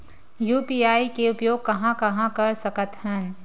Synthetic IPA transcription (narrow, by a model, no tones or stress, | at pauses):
juːpiːaːikeʊpjoːɡ̚kɐɦãkɐɦãkɐɾsɐkət̪hən